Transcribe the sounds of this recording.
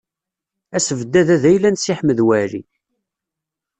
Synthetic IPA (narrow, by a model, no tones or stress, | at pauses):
æsəvd̪ːæðæðæjlænsɪħməðwæɾḭ